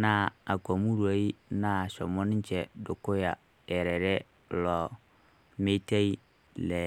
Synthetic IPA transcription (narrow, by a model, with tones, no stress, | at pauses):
na˦a˨ko˨mu˦ɾu˨o˨˦i˦na˦˨sɔ˨mo˦ni˦ɲ˦t͡ʃɛ˨dʊ˨kʊ˦ja˨ | ɛ˨ɾɛ˨ɾɛ˦ | lɔ˨ | me˦te˦i˦ | lɛ˨